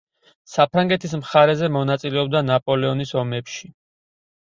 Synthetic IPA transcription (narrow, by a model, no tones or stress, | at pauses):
sapʰɾaŋɡɛt̪ʰis̬mχaɾɛzɛmɔnat̪sʼilɛɔb̚d̪anapʼɔlɛɔnisɔmɛpʃi